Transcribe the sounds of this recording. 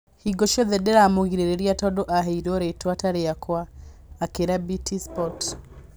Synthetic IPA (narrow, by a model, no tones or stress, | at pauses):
hiɡɔʃɔðɛdɛɾamoɣiɾeɾeɾiatɔdɔʔaɦeiɾɔɾetwataɾeakwaːkeɾabitispɔt